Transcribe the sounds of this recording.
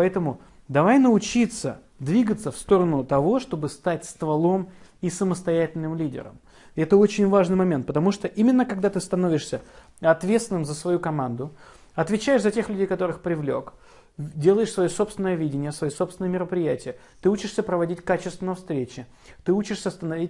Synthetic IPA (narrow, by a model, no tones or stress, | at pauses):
pɐɛt̪əmʊ | d̪ɐvajnəʊt͡ɕit̪sə | d̪vʲiɡət̪səfst̪o̞ɾənʊt̪ɐvo̞ʂt̪o̞bɨst̪atʲst̪vɐlˠo̞misəməst̪ɐjætʲɪlʲnɨmlʲidʲɪ̰ɾə̰m | ɛt̪əo̞t͡ɕɪnʲvaʐnɨjmɐmʲe̞nt̪pət̪ɐmuʂt̪oʔimʲɪnːəkɐɡ̚d̪at̪ɨst̪ɐno̞vʲɪʂsʲə | ɐt̪vʲet̪st̪ʲɪnɨmzəsvɐjukɐmand̪ʊ | ɐt̪vʲɪt͡ɕæɪʂzɐtʲe̞xlʲʉdʲejkɐt̪o̞ɾɨxpɾʲɪvlʲo̞̰k | dʲe̞lˠəjɪʂsvɐjoso̞pst̪vʲɪnəjəvʲidʲɪnʲɪjəsvɐjosopsʲɪnəjəmʲɪɾəpɾʲɪjætʲɪjə | t̪ɨut͡ɕɪʂsʲəpɾəvɐdʲitʲkat͡ɕɪst̪vʲɪnəjəfst̪ɾʲet͡ɕɪ | t̪ɨut͡ɕɪʂsʲəst̪ənɐvʲitʲ